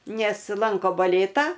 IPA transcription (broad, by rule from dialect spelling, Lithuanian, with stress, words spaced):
ˈnʲɛs ˈlˠɐŋkoː bɐˈlʲeːtɑː